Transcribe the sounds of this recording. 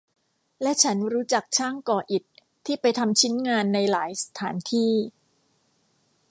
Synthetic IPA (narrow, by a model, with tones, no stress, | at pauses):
lɛ˦˥ʔt͡ɕʰa˦˥nɾuː˦˥t͡ɕa˨˩k̚t͡ɕʰaː˥˩ŋkɔː˧ʔi˨˩t̪ʰː | iː˥˩pa˧jt̪ʰa˧mt͡ɕʰi˦˥nŋaː˧nːa˧jlaː˩˦jsḁ˧t̪ʰaː˩˦nt̪ʰiː˥˩